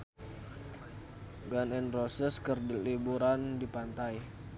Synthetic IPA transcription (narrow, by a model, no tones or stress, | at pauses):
ɡanɛnrosəskərdlibuɾandipant̪aj